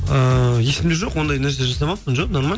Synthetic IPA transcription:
əje̞sɪmd̪eʒo̞qwo̞nd̪ɑjnæɾs̬ʲeeʒɑsɑbɑl̚ˠpːənʒoqno̞ɾma

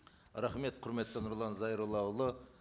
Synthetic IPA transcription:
ɾæχme̞t̪qʰʊɾme̞t̪ːənʊɾlˠɑnzɑjɾəlˠɑwlˠə

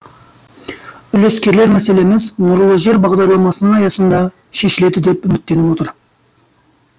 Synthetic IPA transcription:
ʏle̞skʲe̞ɾle̞ɾmæse̞le̞mɪznʊɾəlˠəʒe̞ɾbɑʁd̪ɑɾlˠɑmɑsənəɴɑjɑsənd̪ɑ | ʃe̞ʃɪle̞d̪ɪd̪e̞pʏmɪt̪ːe̞nɪwo̞t̪əɾ

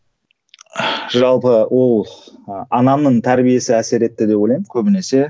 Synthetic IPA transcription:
ʒɑlˠpəwʔo̞lˠ | ɑnɑmnəɴt̪ʰæɾbije̞sɪæse̞ɾe̞t̪ːɪd̪epolˠɑjməkʲʰɵbɪne̞se̞

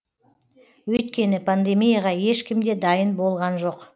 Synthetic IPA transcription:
wɵjt̪̚kʲe̞nɪpʰand̪e̞mijaʁɑje̞ʃkʲɪmd̪e̞d̪ɑjənbo̞lˠʁɑnʒo̞q

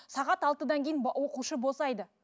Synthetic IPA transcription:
sɑʁɑt̪ɑlˠt̪əd̪ɑŋkʲejnwo̞quʃəbo̞sɑjd̪ə

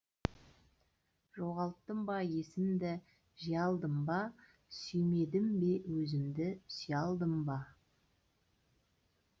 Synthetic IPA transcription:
ʒo̞ʁɑlˠt̪ːəmbɑjesɪmd̪ɪ | ʒijɑlˠd̪əmbɑ | sʏjme̞d̪ɪmbe̞wɵzɪmd̪ɪsjɑlˠd̪əmbɑ

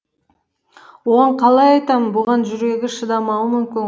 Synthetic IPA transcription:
woʁɑɴqʰɑlˠɑjɑjt̪ɑmənbʊʁɑnʒʏɾe̞ɡʲɪʃəd̪ɑmɑwəmʏmkʲɪn

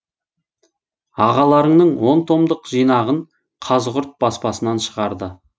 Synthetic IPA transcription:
ɑʁɑlˠɑɾəɴnəɴwo̞nt̪ʰo̞md̪əqʒ̥ijnɑʁəɴ | qʰɑzʁʊɾt̪̚b̥ɑspɑsənɑnʃəʁɑɾd̪ə

